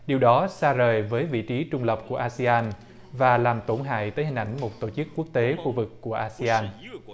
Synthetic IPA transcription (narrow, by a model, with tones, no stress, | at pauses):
ɗi˨˩əwɗɔ˨˦saː˧zəː˨˩jvəː˨˦jvḭ˧˨t͡ɕi˨˦t͡ɕʊ˧ŋ͡mlə˨˩p̚ku˧˩əʔaː˧si˧aː˧n | vaː˨˩laː˨˩mt̪o˧˩nɦa̰ː˧˨jt̪əː˨˦jɦï˨˩ŋ̟ʔa̰˧˩jŋ̟mo˨˩t̚t̪o˧˩t͡ɕɨ˦˥kːu˦˥ək̚t̪e˨˦xu˧vɨ˨˩kːu˧˩əʔaː˧si˧aː˧n